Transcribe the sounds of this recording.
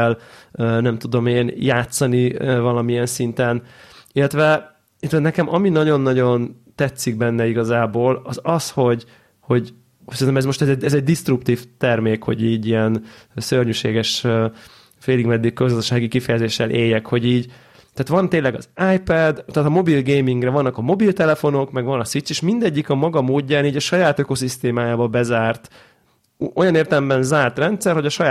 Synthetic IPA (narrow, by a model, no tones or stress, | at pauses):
løːnɛmt̪ud̪o̞meːnjaːt̪sɒnivɒlɒmiɛnsint̪ɛnilːɛt̪ʋɛ | ilɛt̪ɛnɛkɛmɒminɒɟo̞nːɒɟo̞nt̪ɛt̪sːiɡ̚bɛnːɛiɡɒzaːboːlɒzɒsho̞ɟ | ho̞ɟ | sɛɾinɛmɛzmo̞ʃt̪ɛzɛɟɛzɛɟ̚d̪ist̪rup̚t̪iːft̪ɛrmeːkho̞̰ɟiːɟijɛnsørɲyːʃeːɡɛʃ | feːliɡmɛd̪ːikkøzɡɒzɒʃaːɡikifɛjɛzeːʃːɛlʔeːjːɛkho̞ɟiːɟ | t̪aːt̪ʋɒnt̪eːnlɛɡɒ̰zajpɛd̪t̪aːt̪ɒmo̞bilɡeːjmiŋɡrɛvɒnːɒkɒmo̞bilt̪ɛlɛfo̞no̞kmɛɡʋɒnɒsit͡ʃ̪seːʃmind̪ɛɟːikɒmɒɡɒmoːɟːaːniːɟɒʃɒjaːt̪øko̞sist̪eːmaːjaːbɒbɛzaːrt̪ | ʔo̞jɒneːrt̪ɛlɛmbɛnzaːrt̪rɛnt̪sɛrho̞ɟɒʃɒjaː